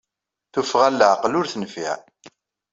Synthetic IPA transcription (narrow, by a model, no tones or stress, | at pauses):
θufʁælːəʕqlʊɾθənəfḭʕ